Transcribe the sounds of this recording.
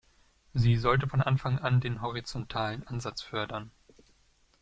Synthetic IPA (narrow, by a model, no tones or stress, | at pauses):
ziːzɔltəfɔnʔanfaŋʔandeːnɦɔʁit͡sɔntʰaːlənʔanzat͡sfœɐdɐn